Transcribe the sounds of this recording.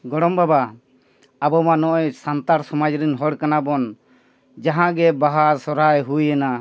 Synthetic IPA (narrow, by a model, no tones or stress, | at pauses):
ɡɔɽɔmbaba | abɔmanɔʔɔjsant̪aɾsɔmad͡ʒɾɛnɦɔɽkanabɔn | d͡ʒaɦãɡɛbaɦaɾsɔɾajɦujɛna